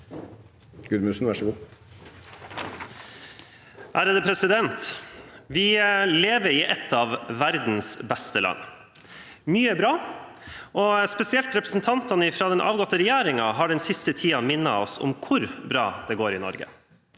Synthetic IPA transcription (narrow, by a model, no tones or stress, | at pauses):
ɡ̥ʉd̪mʉːsn̩ʋæʂəɡuː | ʔæːɾəd̪əpʰɾɛsɪd̪ɛnt̪ʋɪleːʋəɾɪːʔɛt̪ʰːɑːʋːæɾd̪n̩sbɛst̪əlʔɑ̰nː | myːəbɾɑː | ʔɔspɛsɪɛlt̪ɾɛpɾəsn̩t̪ʰɑnt̪ɑnəɪfɾɑːd̪ɛnʔɑ̰ːʋɡɔt̪ːəɾɛjæːɾɪŋɑɦɑɖɛnsɪst̪ət̪ʰiːɑmɪnːɑɔsɔ̰mkʰʊɾbɾɑ̰ːd̪̥ɛɡoːɾɪnɔ̰ɾɡə̰